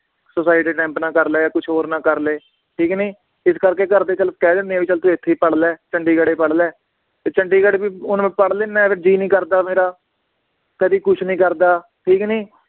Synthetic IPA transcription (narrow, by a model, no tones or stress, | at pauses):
sʊsaːɪʈiːʈɛ̃ːmpnãːkəɾlɛːaːkʊt͡ʃʰɦoːɾnãːkəɾleː | ʈʰiːknĩː | ɪskəɾkeːkəɾd̪eːt͡ʃəlp̚kɛːd̪ẽːnd̪eaːbiːt͡ʃəlt̪ʰoːɪt̪ʰːeːpəɽlɛːt͡ʃəɳɖiːɡəɽeːpəɽlɛː | t̪eːt͡ʃəɳɖiːɡəɽeːbiːʊnːpəɽleːnɛ̃ːpʰɪʈ̚d͡ʒiːnĩːkəɾd̪aːmeːɾaː | kəd̪iːkʊt͡ʃʰnĩːkəɾd̪aːʈʰiːknĩː